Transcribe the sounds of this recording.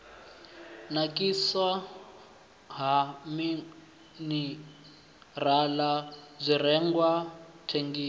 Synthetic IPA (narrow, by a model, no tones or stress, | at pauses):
nakʼisa | ɦami | ni | ralazʷirɛŋɡwatʰeŋɡiː